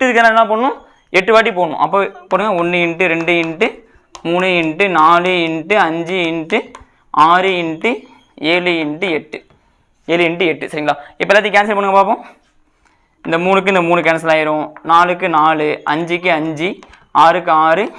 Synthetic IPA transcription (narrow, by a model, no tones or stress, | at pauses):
ʈːɯɪðɯkːɐnaːɾlãːpoːɳːʊ̃ | ɛʈːɯʋaːʈ̬ːipoːɳːʊ̰̃ʔɐp̬ːoːpoːɾɯŋɡɐnaɔɳːɯɪɳʈːɯɾɛɳɖɯɪɳɖɯ | muːnɯɪɳʈɯnaːlɯɪɳʈɯɐɲd͡ʒiɪɳʈɯ | aːɾɯɪɳʈɯ | eːlɯɪɳʈɯɛʈːɯ | eːlɯɪɳʈːɯɛʈːɯsɐɾɪŋɡɐɭaːɪpːoɛlːat̪ɪj̃ŋkaːnsɐɾpɐɳːɯŋɐpaːpõː | ɪnd̪ɐmuːnɯk̬ːɯɪnd̪ɐmuːɳɯkɐnɐs̬ɐlaːjɪɾʊ̃naːlɯkːɯnaːlɯʔɐ̰ɲd͡ʒɪk̬ːɯɐɲd͡ʒi | aːɾɯk̬ːɯaːɾɯ